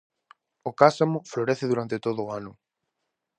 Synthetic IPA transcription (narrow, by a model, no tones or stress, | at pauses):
ʊkasamʊfloɾeθeðuɾant̪et̪oðʊːanʊ